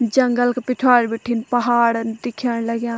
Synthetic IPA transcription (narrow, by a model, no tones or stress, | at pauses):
d͡ʒɐŋɡəlkepɪʈʰwaːɽbeʈʰːiːnpɐɦaːɽnd̪ɪkʰjaːɽ̃lɐɡjãː